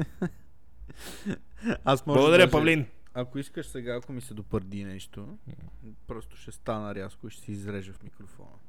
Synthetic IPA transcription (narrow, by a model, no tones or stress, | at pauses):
asmɔlɐɡod̪ɐɾʲjəpɐvlin | akoiskəʃsɛɡaːkomisɛd̪opəɾd̪inɛʃt̪o | pɾɔst̪o̥ʃɛst̪anəɾʲjaskʊiʃɛ̥sɛizɾɛʒəfmikɾofɔ̰nə̰